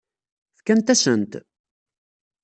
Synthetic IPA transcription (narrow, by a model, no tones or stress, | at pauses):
θkænt̪æsənt̪